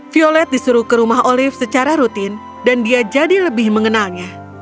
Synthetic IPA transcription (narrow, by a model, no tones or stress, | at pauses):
fiolɛt̪̚disuɾukəɾumaɦʔolɪfsət͡ʃaɾaɾut̪ɪn | dandiad͡ʒadiləbɪhməŋənalɲa